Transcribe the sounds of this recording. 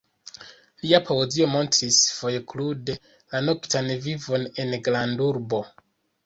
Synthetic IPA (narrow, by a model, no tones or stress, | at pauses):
liapʰoozio̞mo̞ntɾisfo̞jklude̞ | lano̞ktanvivo̞ne̞nɡlanduɾbo̞